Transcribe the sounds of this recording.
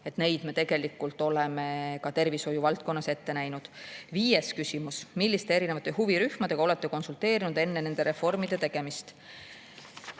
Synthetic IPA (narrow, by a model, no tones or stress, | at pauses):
e̞t̪ne̞jd̪̥me̞t̪e̞ɡ̥e̞likːˑult̪ˑo̞le̞me̞kɑt̪e̞rviso̞juvɑlt̪̚ko̞nːɑse̞t̪ːe̞næjnud̪̥viːje̞skysʲimusmilʲːist̪e̞eɾine̞vɑt̪ːˑe̞ɦuviɾyhmɑd̪̥e̞ɡɑo̞le̞t̪ːe̞ko̞nsult̪e̞ːɾinud̪̥e̞nːe̞ne̞nd̪̥e̞ɾe̞fo̞rmid̪e̞t̪e̞ɡ̥e̞mist̪